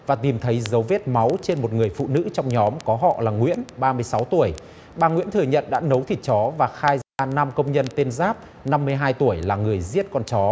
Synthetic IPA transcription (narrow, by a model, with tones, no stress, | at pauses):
vaː˨˩t̪i˨˩mt̪ʰə˨˦jzə˨˦wve˦˥t̚ma˨˦wt͡ɕe˧nmo˨˩t̚ŋɨ˨˩əjfṵ˧˨nɨ̰˧˥t͡ɕɔ˧wŋ͡mɲɔ˨˦mkɔ˨˦ɦɔ̰˧˨laː˨˩ŋwḭ˧˥ənɓaː˧mɨ˧əjsa˨˦wt̪u˧˩əj | ɓaː˨˩ŋwḭ˧˥nt̪ʰɨ˨˩əɲə̰˧˨nɗa̰ː˧˥nə˨˦wt̪ʰi˨˩t̚t͡ɕɔ˨˦vaː˨˩xaː˧jzaː˧na˧mkə˧wŋ͡mɲə˧nt̪e˧nzaː˦˥p̚ | na˧mːɨ˧əjɦaː˧jt̪u˧˩əjlaː˨˩ŋɨ˨˩əjzi˦˥ət̚kɔ˧nt͡ɕɔ˨˦